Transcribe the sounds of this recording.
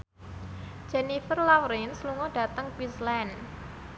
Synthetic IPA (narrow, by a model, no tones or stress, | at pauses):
d͡ʒɛnifərlawɾinsluŋɔɖ̥a̤t̪əŋpislɛn